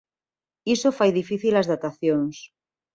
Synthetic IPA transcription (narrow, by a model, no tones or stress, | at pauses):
isofajðifiθilazðat̪aθjons